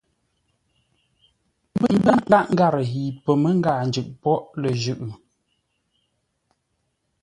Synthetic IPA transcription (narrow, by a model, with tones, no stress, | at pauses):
m˦bə˦˨m̩˦bə˦ɡa˦ʔŋ̩˦ɡa˦˨ɾə˨ɦi˨pə˨mə˦ŋ̩˦ɡa˨n̩˨d͡ʒʉ˨ʔpɔ˦ʔlə˨ʒʉ˦˨ʔɯ˨